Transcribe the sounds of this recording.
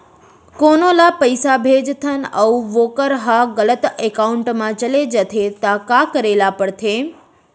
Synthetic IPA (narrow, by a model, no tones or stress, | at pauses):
konolapəjsabʱed͡ʒt̪ʰənəuʋokəɾɦaɡələt̪ekauɳʈmãt͡ʃəled͡ʒət̪ʰet̪akakəɾelapəɽt̪ʰe